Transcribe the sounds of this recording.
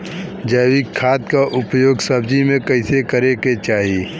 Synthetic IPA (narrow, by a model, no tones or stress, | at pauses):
d͡ʒəːwikʰːaːt̪kaʔʊpjoːɡsəb̚d͡ʒimẽkəɪsekəɾeket͡ʃaːɦieː